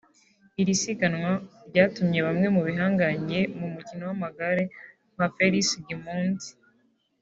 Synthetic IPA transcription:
iɾisikanŋwaɾɟaːtumɲe̞βamŋe̞muβiɦaːŋɡaɲɟe̞mumucino̞wamaɡaɾe | m̥afeɾisɡimuːnti̥

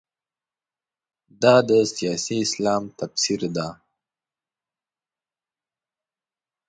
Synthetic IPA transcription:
d̪ɑd̪əsijɑsiɪslɑmt̪afsiɾd̪a

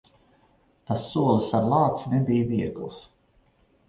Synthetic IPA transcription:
t̪asːuɔlˠisaɾlˠɑːt̪snɛbijviɛɡlˠs

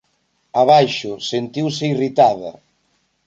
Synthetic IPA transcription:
aβajʃʊsent̪iwsɪirit̪aðɐ̰

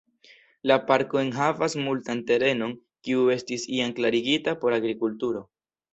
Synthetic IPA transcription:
lapaɾko̞e̞nɦavasmultante̞ɾe̞no̞ŋ | kiue̞stisiaŋklaɾiɡitapo̞ɾaɡɾikultuɾo̞

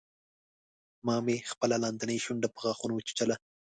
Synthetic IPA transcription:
mɑmexpəlalɑnd̪anəjʃʊɳɖapəɣɑxunot͡ʃi̥t͡ʃala

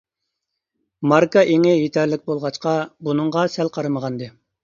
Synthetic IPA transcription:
mɑɾkɑʔeŋɪjet̪ʰɛɾlɪk̚ʲbolˠʁɑt͡ʃqɑbunɨŋʁɑsɛlqʰɑɾɨməʁɑnd̪ɨ

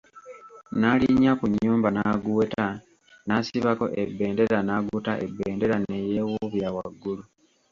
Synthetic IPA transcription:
naliɲːakuɲːuːmbanaɡuta | nasiβako̞̰ʔebːe̞ːnde̞ɾanaɡutaʔḛbːeːnde̞ɾane̞jeːwuβjawa̰ɡːulu

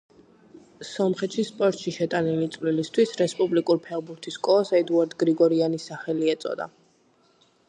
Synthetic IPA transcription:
sɔmχɛt̪ʃispʼɔɾt̪ʃiʃɛt̪ʼanilit̪sʼvlilist̪ʰwisɾɛspʼublikʼuɾpʰɛlˠbuɾt̪ʰiskʼɔasɛd̪uaɾd̪ɡɾiɡɔɾianisaχɛliɛt̪sʼɔ̰d̪a̰

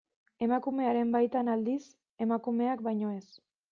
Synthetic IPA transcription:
e̞makume̞aɾe̞mbajt̪anald̪is | e̞makume̞ak̚bajɲo̞e̞s

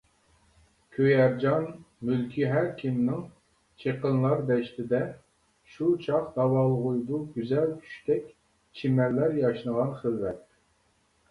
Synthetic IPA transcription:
kʲʰøjæɾd͡ʒɑn | mylkʲʰiɦæɾkʲʰimnɪŋ | t͡ʃʰeqənlˠɑɾd̪ɛʃt̪ɪd̪ɛ | ʃut͡ʃʰɑχd̪̥ɑwɑlˠʁujd̪uɡʲyzɛlt͡ʃʰy̥ʃt̪ɛkʲ | t͡ʃʰimɛlːæɾjɑʃnəʁɑnχəlːɛt̪

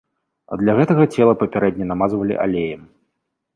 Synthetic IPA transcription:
ɐ̰d̪lʲɐɣɛt̪ɐɣɐt͡sʲɛlˠɐpɐpʲaɾɛd̪ʲnʲɐnamazvɐlʲḭʔa̰lʲejɐm

